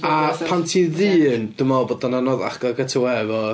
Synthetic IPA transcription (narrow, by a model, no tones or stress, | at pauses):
apʰantʰiðɨːnd̥əmɔbɔdananɔða̰χɡ̥aɡətʰəwɛvɔ